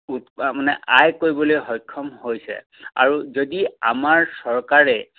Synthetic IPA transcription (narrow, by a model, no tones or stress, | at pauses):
umanɛ̰ʔajkoɹibɔlojɦɔjkʰːɔmhojsɛ̰ | a̰ɹuzodia̰maɹsɔɹkaɹɛ